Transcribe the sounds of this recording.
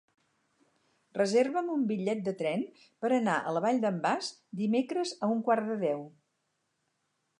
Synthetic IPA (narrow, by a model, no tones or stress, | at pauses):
rəzerβəmumbiʎːɛt̪̚d̪ət̪ɾɛn | pəɾənaʔə̰ləβaʎd̪əmbasd̪imekɾəzəuŋkwaɾðəðɛw